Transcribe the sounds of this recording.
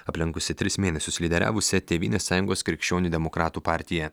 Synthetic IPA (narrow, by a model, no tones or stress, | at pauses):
ɐpʲlʲɪŋkʊsʲɪt̪ʲɾʲɪsmʲeːnʲɛsʲʊslʲɪd̪ʲɛɾʲæ̰ːʋʊsʲɛt̪ʲeːʋʲiːnʲeːsːɑːjʊŋɡoːskɾʲɪkʃʲt͡ʃʲoːnʲuːd̪ʲɛmokɾɑːt̪uːpɑːɾʲt̪ʲɪjɛ